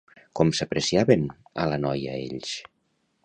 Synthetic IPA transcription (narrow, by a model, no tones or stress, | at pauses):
kɔmsəpɾesiaβen | ə̰lənɔjə̰ḛʎs